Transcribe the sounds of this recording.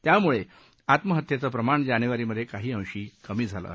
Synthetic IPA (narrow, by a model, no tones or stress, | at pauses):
t̪jamuɭe | at̪məɦət̪jet͡səpɾəmaɳd͡ʑaneʋaɾiːməd̪ʱːjekaɦiːə̃w̃ɕiːkəmiːd͡zʱalə̰